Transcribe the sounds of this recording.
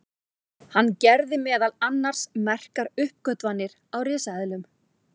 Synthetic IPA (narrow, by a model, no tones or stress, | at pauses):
hanːcɛɾðɪmɛːðalanːaɾ̥smɛr̥kaɾʏhp̚kœt̪vanːɪɾ | awrɪːsaðɪlʏm